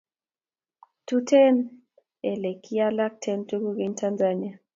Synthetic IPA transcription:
tʰu˦tʰɛ˦n | ɛ˨le˨kʰi˦a˦la˦k̚tʰɛ˦ntʰu˦ku˦ki˦n˦tʰa˦nd͡zania˨

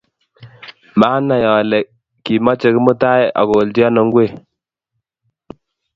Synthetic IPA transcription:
maː˦na˨jɔ˨lɛ˨ | ki˨mɔ˦t͡ʃe˨˦kɪ˦mu˦ta˦ja̰˨ko˨ldjɔ˦nɔ˨ŋɡwe˦˨

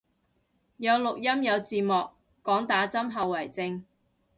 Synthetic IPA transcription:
jɐ˨˧wlʊ˨k̚jɐ˥mjɐ˨˧wt͡siː˨˩mɔː˨kː | ɔː˨˥ŋt̪aː˨˥t͡sɐ˥mɦɐ˨˧wːɐ˨˩jt͡sɪ˧ŋ

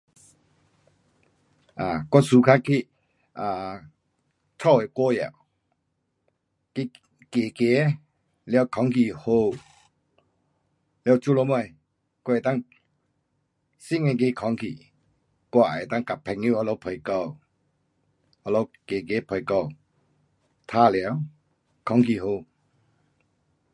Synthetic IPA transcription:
a˨kwɔ˧˦su˧kʰa˦kʰi˦˧ | a˨ | t̪ʰɔ˥˧˨we˨kɔ˦ja̰˨w | ki˦˧ | ke˨˩ke˨˦ | lja˧˩˨kʰɔ˨˧˦ŋkʰi˧˨ho˧˨ | lja˧˨t͡ɕu˦lɔ˧˦m˧a˧˩j | kɔ˧˨ɛ˨t̪a˥˨ŋ | si˥˨ŋɛ˧˨k̬e˧˦kʰɔ˨˧˦ŋkʰḭ˨ | kwa˧˨ʔɛ̰˨t̪a˥˧ŋka˨pʰːɛ˨˧˨ŋju˧˨hɔ˧lɔ˧˦wpʰɔ˨jkɔ˧˨w | hɔ˧˨lɔ˧˦wke˨ke˨˦pʰɔ˨˩jkɔ˧˨w | t̪ʰa˦˨lja˧˦w | kʰɔ˨˦ŋki˧˨ɦo˧˨

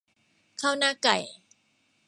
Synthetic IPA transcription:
kʰaː˥˩wnaː˥˩ka˨˩j

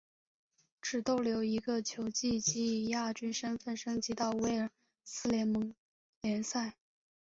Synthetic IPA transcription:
ʈ͡ʂɻ̩˨˩t̪o˥˩ʊljo˧˥ʊi˧˥ɡə˧t͡ɕʰjo˧˥ʊt͡ɕi˥˩t͡ɕi˧˥˨ja˥˩t͡ɕy˥nʂə˥nfə˥˩nʂɤ˥ŋt͡ɕi˧˥t̪ɑ˥˧ʊwe˥˩ɪə˨˩˦ | sɹ̩˥ljɛ˧˥nmɤ˧˥ŋ | ljɛ˧˥nsa˥˩ɪ

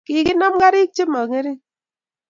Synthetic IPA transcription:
ki˨˦ki˦na˦mɡa˦ɾi˦k̚t͡ʃi˦ma˨ŋe˦ɾi˦

